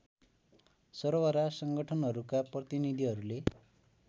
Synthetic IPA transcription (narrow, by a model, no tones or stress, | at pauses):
sʌɾowaɾasʌŋɡʌʈʰʌnɦʌɾukaprʌt̪inid̪ʱiɦʌɾule